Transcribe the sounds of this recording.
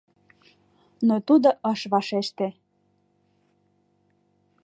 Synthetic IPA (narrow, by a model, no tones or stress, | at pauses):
not̪ud̪oʔəʃβɑʃeʃt̪ĕ